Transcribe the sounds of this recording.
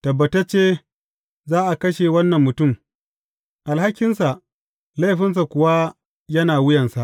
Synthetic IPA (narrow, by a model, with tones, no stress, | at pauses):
tɐ˨bːɐ˨tɐ˦t͡ʃeː˦ | zaː˦ʔa˨kɐ˦ʃe˨wɐ˦nːɐ˨mːʊ˨tʊ˦˨m | ʔa˨lha˦kʲːɪ˦nsa˨ʔ | la˦jɸɪ˦ns̬a˨kʷʊ˨wa˦ | jɐ˦naː˨wʊ˦jɐ˨nsa˨ʔ